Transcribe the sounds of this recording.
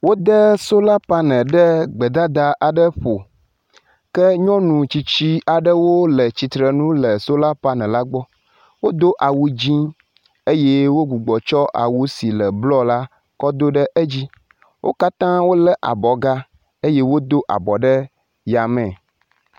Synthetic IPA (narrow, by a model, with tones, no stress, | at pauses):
wo˦d̪ə˦so˦la˦pa˦nɛ̃˨ɖə˦ɡ͡bə˨d̪a˦d̪a˨ʔa˨ɖə˦ɸo˨ | kə˦ɲɔ̃˦nũ˨t͡ɕi˨t͡ɕi˦ʔa˨ɖə˦wo˦lə˨t͡ɕi˨t̪ɾə˨nũ˦lə˨so˦la˦pa˦nɛ̃˨la˦ɡ͡bɔ˦ | wo˦d̪o˦ʔa˨wu˦d͡ʑĩ˦ | e˦je˦wo˦ɡu˨ɡ͡bɔ˨t͡ʃɔ˦ʔa̰˨wu˦si˨lə˨blɔ˦la˦ | kɔ˦d̪o˦ɖə˦ʔə˦d͡ʑi˦ | wʔo̰˦ka˦t̪ã˦wo˦lə˦ʔa̰˨bɔ˨ɡa˦ | e˦je˦wo˦d̪o˦ʔa̰˨bɔ˨ɖə˦ | ja˨mɛ̃˨